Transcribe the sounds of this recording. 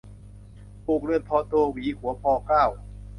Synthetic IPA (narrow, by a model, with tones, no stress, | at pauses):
pu˨˩k̚lɯ˧ənpʰɔː˧t̪oː˧wiː˨˩˦ku˩˦ɐpʰɔː˧kaː˥˩w